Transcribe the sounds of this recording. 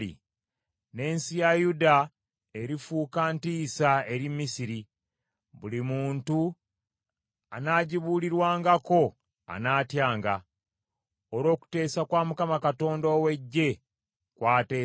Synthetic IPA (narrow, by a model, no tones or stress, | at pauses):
ḭ | ne̞ːnsijajuda | e̞ɾifuːkantiːsae̞ɾimːisiɾi | βulimuːntu | anaːɟiβuːliɾwaːŋɡako̞ | a̰naːtjaːŋɡa | oɾo̞ːku̥te̞ːsakwaːmukamakato̞ːndoːwe̞ɟːe̞ | kwaːteː